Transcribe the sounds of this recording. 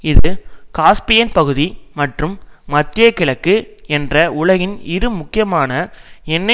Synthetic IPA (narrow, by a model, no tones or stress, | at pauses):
ɪðɯkaːspɪjɐnpɐɣɯðimɐʈrɯmːɐt̪rɪjɐkːɪɭɐkːɯɛndrɐʊɭɐɣɪnɪɾɯmʊkːɪjɐmaːnɐɛnːɐ